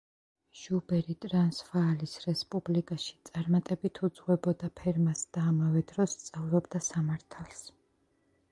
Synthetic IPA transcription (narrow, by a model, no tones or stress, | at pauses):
ʒ̥ubɛɾit̪ʼɾansvaːlisɾɛspʼublikʼaʃi̥t̪sʼaɾmat̪ʼɛbit̪ʰud̪z̥ʁwɛbɔd̪apʰɛɾmasd̪̥aːmavɛd̪ɾɔst̪sʼavɾɔbd̪asamaɾt̪ʰalˠs